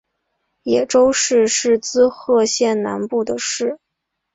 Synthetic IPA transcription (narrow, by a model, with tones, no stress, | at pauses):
jɛ˨˩ʈ͡ʂo˥ʊʂɻ̩˥˧ʂɻ̩˥˩t͡sɹ̩˥xɤ˥˧ɕjɛ˥˩nna˧˥npu˥˩d̪ə˩ʂɻ̩˥˩